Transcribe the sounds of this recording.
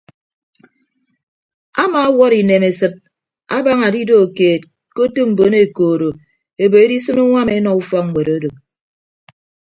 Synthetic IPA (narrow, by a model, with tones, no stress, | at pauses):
a˦ma˨˦wɔ˦ɾi˨ne˨me˨sɨ˨t̚ | a˦ba˦ŋa˨di˦do˦o˨keː˨t̚ | ko˦tu˦m̩˨bo˨˦ne˨koː˨ɾo˨ | e˨bo˨e˦di˦sɨ˦mu˦ŋʷa˦me˨˦nɔ˨u˦fɔ˦ŋ̩ʷ˨e˨ɾo˦do˨k̚